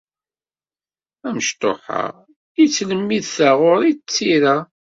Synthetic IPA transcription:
æməʃt̪ˤo̰ħa̰ʁ | it͡sːləmːiðθaʁʊɾit͡sːiɾa

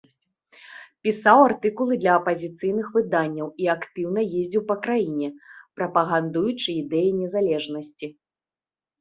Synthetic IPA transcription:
pʲisawart̪ɨkulˠɨd̪lʲɐːpɐzʲit̪sɨjnɨxvɨd̪anʲːɐwiakt̪ɨwn̪ɐjezʲd͡zʲiwpɐkɾajinʲɛpɾɐpɐɣand̪ujut͡ʂɨid̪ɛjinʲɛzalʲɛʐnɐsʲt͡sʲi

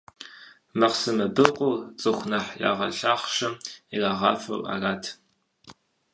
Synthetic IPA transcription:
mɐqsɨmɐbɨqʷʼʊwt͡sʼɨxʷnaħja̰ːʁɐ̰ɬaːχʃɐmiraːʁɑ̰ːfɐ̰rʔa̰ːraːtʰ

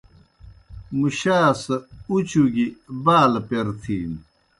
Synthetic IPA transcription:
muɕaːsɐut͡ɕuɡibaːlpeɾt̪ʰiːn

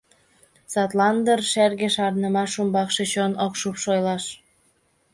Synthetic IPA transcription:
sɑt̪lɑnd̪ərʃærɣĕʃɑrnə̆mɑʃumbɑkʃet͡ɕonokʃupʃojlɑʃ

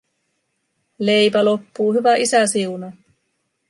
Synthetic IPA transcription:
le̞jpælo̞pːuːɦyʋæʔisæsiunɑ

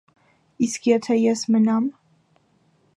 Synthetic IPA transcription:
iskʰjɛt̪ʰɛjɛsmənɑm

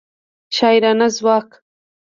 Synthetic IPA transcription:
ʃaːjɾanazwɑːk

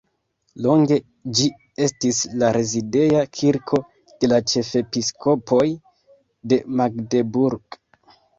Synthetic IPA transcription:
lo̞ŋɡe̞ | d͡ʒi | e̞stislaɾe̞zide̞jakʰiɾkʰo̞ | d̥e̞lat͡ʃe̞fe̞piskʰo̞pʰo̞j | de̞maɡdebuɾɡ

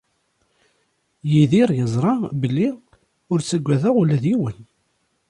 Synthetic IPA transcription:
jiðiɾjəzˤɾˤɑbəlːi | ʊɾt͡sːəɡʷæðəʁulæðiwən

